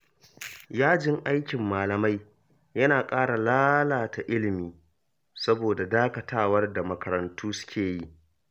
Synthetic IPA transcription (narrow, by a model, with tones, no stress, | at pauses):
jaː˦d͡ʒɪ˦ŋʔa˦jkʲɪ˨mːaː˨lɐ˨ma˦j | jɐ˦naː˨kʼaː˦ɽa˨laː˦laː˨ta˨ʔɪ˦lɪ˨miː˨ | sɐ˦boː˨da˨daː˦kɐ˨taː˦wɐ˦rda˨mɐ˨kɐ˨ɾɐ˨ntʰuː˦sʊ̥˦kʲeː˨ji˦ʔ